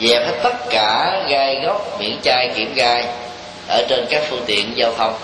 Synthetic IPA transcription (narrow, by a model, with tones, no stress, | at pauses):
zɛ˨˩pʰə˦˥t̪ə˦˥t̚kaː˧˩ɣaː˧jɣɔ˦˥wk͡p̚mḭ˧˩˥ənt͡ɕaː˧jkḭ˧˩əmɣaː˧j | ʔəː˧˩t͡ɕe˧nkaː˦˥k̚fɨ˧ŋt̪ḭ˧˨ənzaː˧wt̪ʰə˧wŋ͡m